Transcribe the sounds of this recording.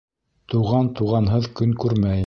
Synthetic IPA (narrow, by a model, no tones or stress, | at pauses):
t̪uʁɑnt̪uʁɑnɦɤðkɵŋkʉɾmæj